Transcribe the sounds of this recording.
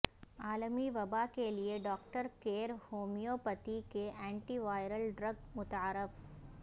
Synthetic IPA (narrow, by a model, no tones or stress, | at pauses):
aːlmiʋɐbakelieɖɔːkʈəɾkeːɾhoːmijopɐt̪ikeʔɛ̃ːɳʈiʋaːɪɾəlɖɾɐɡmʊt̪aaːɾɪf